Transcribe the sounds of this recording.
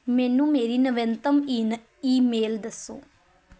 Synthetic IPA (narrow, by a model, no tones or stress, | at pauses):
menːumeɾinɐʋent̪ɐmin | iːmeːld̪ɐsṵ